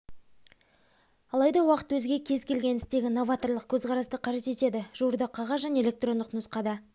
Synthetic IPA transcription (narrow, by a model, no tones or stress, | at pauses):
ɑlˠɑjd̪ɑwɑqə̥t̪wɵzɡʲe̞kʲʰe̞zkʲʰe̞lɡʲe̞nɪst̪e̞ɡʲɪno̞vat̪o̞ɾlˠəq̚kʲʰɵzqʰɑɾɑst̪əqʰɑʒe̞t̪e̞t̪e̞d̪ɪʒ̥uɾd̪əqʰɑʁɑzʒæne̞elʲe̞k̚t̪ro̞nd̪əqnʊsqɑd̪ə